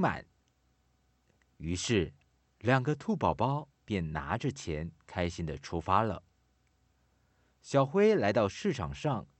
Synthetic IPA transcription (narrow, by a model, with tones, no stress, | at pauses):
ma̰˨˩˦n | y˧˥ʂɻ̩˥˩ | ljɑ˨˩ŋɡə˦t̪ʰu˥˩pɑ˨˩ʊpɑ˥ʊ | pjɛ˥˩nna̰˧˥ʈ͡ʂə˥˧t͡ɕʰjɛ˧˥nkʰa˥ɪɕi˥nd̪ə˨ʈ͡ʂʰu˥fa˥lə̰˨ | ɕjɑ˨˩ʊxwe˥ɪla˧˥ɪt̪ɑ˥˧ʊʂɻ̩˥˩ʈ͡ʂʰɑ˨˩ŋʂɑ˥˩ŋ